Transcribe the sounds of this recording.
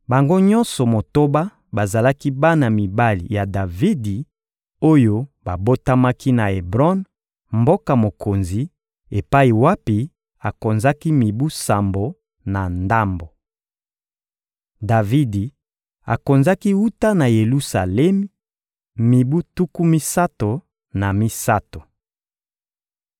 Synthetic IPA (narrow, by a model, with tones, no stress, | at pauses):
ba˨ŋɡo˦ɲɔ̃˦nsɔ˨mo˨to˦ba˦ | ba˨za˨la˦ki˦ba˦na˨mi˨ba˦lḭ˨ja˨da˨vi˦di˨ | o˦jo˦ba˨bo˦ta˦ma˦ki˦na˨e˨bʁɔ˦n | mbo˦ka˨mo˨ko˨nzi˨ | e˨pa˦i˨wa˦pi˨˦ | a˨ko˨nza˦ki˦mi˨bu˦sa˨mbo˨ | na˨nda˦mbo˨ | da˨vi˦di˨ | a̰˨ko˨nza˦ki˦u˦ta˦na˨je˨lu˦sa˨lɛ˦mi˦ | mi˨bu˦tu˦ku˦mi˦sa˦to˨ | na˨mi˦sa˦to˨